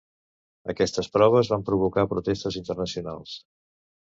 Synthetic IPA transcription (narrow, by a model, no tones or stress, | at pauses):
ə̰kɛst̪əspɾɔβ̞əzβampɾuβ̞ukapɾut̪est̪əzint̪ərnəsiuna̰lˠs